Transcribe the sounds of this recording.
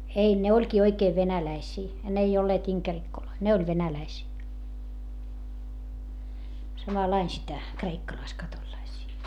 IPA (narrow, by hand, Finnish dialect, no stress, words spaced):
ei ne olʲkiː oikeːʋ ʋenælæisiː n ei olːeːt iŋkerikːoloi ne olʲ ʋenælæisiː sɑmɑlɑin sitæ kreikːɑlɑiskɑtolĭlɑisiː